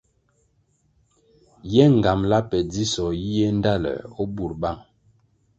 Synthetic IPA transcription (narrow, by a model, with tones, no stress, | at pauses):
jɛ˦ŋ˨ɡa˨mla˦pɛ˨d͡zi˦sɔ˨ji˦je˦n˦da˦˨lɛ̰˨o˦bu˨ɾɓa˦˨ŋ